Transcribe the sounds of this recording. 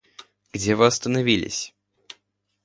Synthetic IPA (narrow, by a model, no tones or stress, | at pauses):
ɡ̥dʲevɨɐst̪ənɐvʲilʲɪ̰sʲ